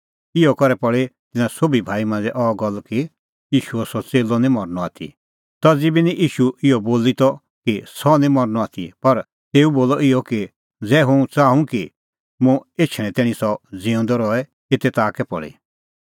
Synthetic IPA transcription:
ɪjɔkɔɾɛpɔɭet̪ɪnãsoːbibʱaːimãːnd͡zɛʔɔːɡɔlki | jiːʃuɛsɔt͡seːlɔnĩmɔɾnɔa̰ːt̪ʰḭ | t̪ɐd͡zibinĩʔiːʃuɪɔboːlit̪ɔ | kisɔnĩmɔɾnɔaːt̪ʰḭpɐɾ | t̪eːuboːlɔɪɔki | d͡zɛːɦʊ̃t͡saːũki | mũeːt͡ʃʰɽ̃ɛ̃t̪ɛːɽ̃ĩsɔd͡zĩʊ̃nd̪ɔɾɔɛ | eːt̪ɛt̪aːkɛpɔ̰ɭḛ

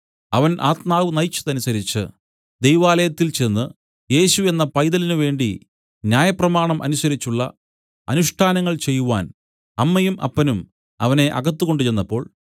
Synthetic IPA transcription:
ɐʋɐnʔaːt̪maːʋɨnɐjt͡ɕːɐ̥ðɐnusɐɾit͡ɕːɨ̰ | d̪e̞jʋaːlɐjɐt̪ːilt͡ɕe̞nːɨ | je̞ːɕue̞nːɐpɐjðɐlinɨʋe̞ːɳɖi | njaːjɐprɐmaːɳɐmʔɐ̰nusɐɾit͡ɕːuɭːɐ̰ | ɐnuʂʈʰaːnɐŋːɐɭt͡ɕe̞jːuʋaːn | ɐmːɐjumʔɐ̰pːɐnum | ɐʋɐne̞ʔɐɡɐt̪ːuɣo̞ɳɖɨt͡ɕe̞nːɐpːo̞ːɭ

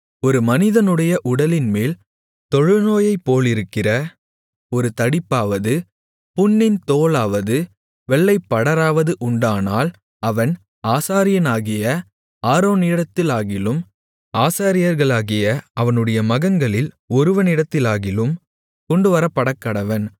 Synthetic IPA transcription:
ɔɾɯmɐnɪðɐnɯɽɐjɐʔʊɽɐlɪnmeːl | t̪ɔɻɯnoːjɐɪpːoːlɪɾɯkːɪrɐ | ɔɾɯt̪ɐɽɪpːaːʋɐðɯ | pʊnːɪnt̪oːlaːʋɐðɯ | ʋɛɭːɐɪpːɐɽɐɾaːʋɐðɯʔʊɳɖaːnaːl | ɐʋɐn | aːsaːɾɪjɐnaːɣɪjɐ | aːɾoːnɪɽɐt̪ːɪlaːɣɪlɯm | aːsaːɾɪjɐɾɣɐɭaːɣɪjɐɐʋɐnɯɽɐjɐmɐɣɐŋɡɐɭɪl | ɔɾɯʋɐnɪɽɐt̪ːɪlaːɣɪlɯm | kɔɳɖɯʋɐɾɐpːɐɽɐkːɐɽɐʋɐn

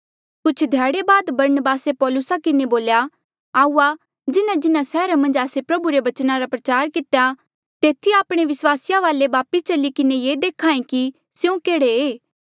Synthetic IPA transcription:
kʊt͡ʃʰd̪ʱjaːɽebaːd̪bɐɾənəbaːsepɔːlʊsakɪneboːlja | aːuːa | d͡ʒɪnãd͡ʒɪnãsɛːɾamɐ̃nd͡ʒaːsepɾɐbuɾebɐt͡ʃnaɾapɾɐt͡ʃaːɾkɪt̪eja | t̪eːt̪ʰiaːpɽ̃eʋɪswaːsɪjaʋaːlebaːpɪst͡ʃɐlikɪnejeːd̪eːkʰaːẽki | sjũkeːɽeeː

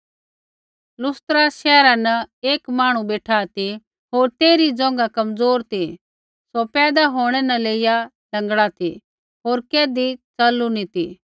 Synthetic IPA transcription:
lʊst̪ɾaʃɛːɾanɐeːkmaːɽ̃ũbeːʈʰat̪i | ɦoːɾt̪eːɾid͡zɔ̃ːŋ̆ɡakɐmd͡zoːɾt̪i | sopɛːd̪aɦoːɽ̃ɛnɐleːɪja | lɐ̃ŋɡɽat̪ʰi | ɦoːɾkeːd̪it͡sɐlunit̪i

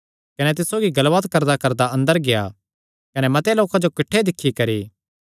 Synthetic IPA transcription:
kɐnɛt̪̬ɪsːoːɡiɡɐlʋət̪kɐɾd̪akɐɾd̪aɐ̃nd̪əɾɡeja̰ | kɐnɛmɐt̪jloːkãd͡ʒokɪʈʰːed̪ɪkʰːikɐɾiː

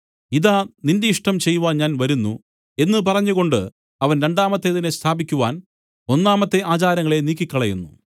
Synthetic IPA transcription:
iðaːnindeiʂʈɐmt͡ɕejːuʋaːnɲaːnʋɐɾunːṵ | e̞nːɨp̬ɐrɐɲːuɣo̞ɳɖɨ | ɐʋɐnɾe̞ɳɖaːmɐt̪ːe̞ðinest̪ʰaːbikʲːuʋaːn | o̞nːaːmɐt̪ːe̞ʔaːt͡ɕaːɾɐŋːɐɭe̞niːkʲːikʲːɐɭɐjṵnːu

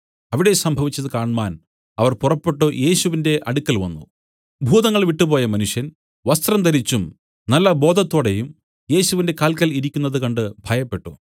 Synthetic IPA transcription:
ɐʋiɽe̞sɐmbʱɐʋit͡ɕːɐðɨkaːɳmaːn | ɐʋɐrpurɐpːe̞ʈːoje̞ːɕuʋinde̞ʔɐɽukʲːɐlʋɐ̰nːṵ | bʱuːðɐŋːɐɭʋiʈːupo̞ːjɐmɐnuʂjɐn | ʋɐst̪rɐmt̪ɐɾit͡ɕːum | nɐlːɐbo̞ːd̪ʱɐt̪ːoːɽe̞jum | je̞ːɕuʋinde̞kaːlkɐliɾikʲːunːɐðɨkɐɳɖɨbʱɐjɐpːe̞ʈːṵ

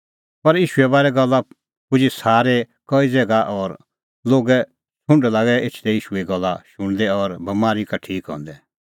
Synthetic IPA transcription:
pɐɾjiːʃuɛbaːɾɛɡɐlːa | pʊd͡ʒisaːɾe | kɔid͡zeːɡaʔɔːɾ | loːɡɛ | t͡sʰʊ̃ɳɖlaːɡɛʔeːt͡ʃʰd̪ɛiːʃueɡɐlːa̰ʃʊɽ̃d̪ɛɔːɾbɐmaːɾikɐʈʰiːkɦɔ̰̃ːnd̪ɛ

